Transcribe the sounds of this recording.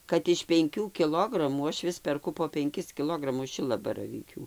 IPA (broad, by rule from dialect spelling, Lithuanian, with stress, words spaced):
kɐt ɪʃ pʲɛŋʲˈkʲuː kʲɪˈlˠoːɡrɐmuː ˈɐʃ ˈʋʲɪs pʲɛrˈkʊ poː pʲɛŋʲˈkʲɪs kʲɪˈlˠoːɡrɐmʊs ˈʃʲɪlˠɐbɐrɐʋʲiːkʲuː